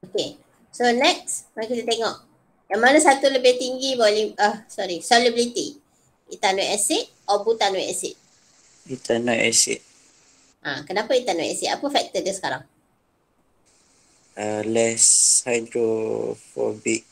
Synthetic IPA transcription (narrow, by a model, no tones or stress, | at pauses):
oke | sonɛk̚smakit̪ət̪eŋɔʔ | jaŋmanasat̪uləbɪht̪iŋɡibɔwliahsɔɾisɔliblit̪i | it̪anɔʔɛsɪʔ̚ɔbut̪anwɔʔɛsɪ̰t̪̚ | it̪anɔʔɛsḭt̪̚ | ʔa̰kənapait̪anɔʔɛ̰sɪʔ̪apəfɛk̚t̪ədəsə̥kaɾaŋ | əlɛshajdɾofɔ̰bik̚